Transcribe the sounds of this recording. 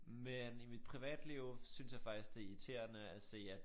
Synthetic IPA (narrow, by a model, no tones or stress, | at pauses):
menimid̥̚pʰʁiʋɛ̰ːd̥liʊsynsjɑ̈fɑ̈ɡ̥̚isɡ̥d̥e̝it͡sʰe̝ɐnəæse̝̰ːæ